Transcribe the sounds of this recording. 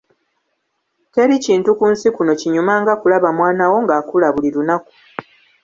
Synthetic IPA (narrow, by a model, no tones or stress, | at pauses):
te̞ɾiciːntukuːnsikuno̞ciɲumaŋɡakulaβamwaːnawo̞ŋɡaːkulaβulilunaku̥